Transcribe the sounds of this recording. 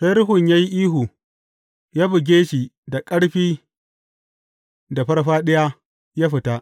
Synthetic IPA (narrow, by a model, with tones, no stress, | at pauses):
sa˦jɾʊ˦ɦʊ˨ɲjaː˦ji˦ʔiː˦ɦu˨ | jaː˦bɪ˨ɡʲeː˦ʃiː˨da˨kʼɐ˦ɽɸiː˦ | da˨ɸɐ˦ɾɸaː˦ɗɐ˦ja˦ | jaː˦ɸɪ˨ta˦ʔ